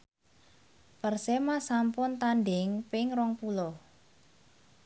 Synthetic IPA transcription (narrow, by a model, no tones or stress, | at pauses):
pərsemasampʊnt̪anɖɪŋpɪŋrɔŋpulɔ